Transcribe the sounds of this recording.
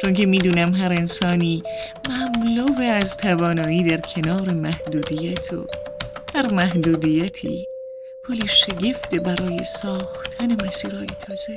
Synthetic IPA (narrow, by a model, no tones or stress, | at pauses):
t͡ʃʰonkʰe̞miːd̪uːnæmɦæɾe̞nsɒːniːmæmloveæzt̪ʰævɒːnɒːiːd̪æɾkʰe̞nɒːɾe̞mæhd̪uːd̪iːjæt̪ʰo̰hæɾmæɦd̪uːd̪iːjæt̪ʰḭː | pʰoliʃe̞ɟe̞ft̪ebæɾʔɒːje̞̰sɒːxt̪ʰæne̞mæsiːɾɒːjet̪ʰɒːze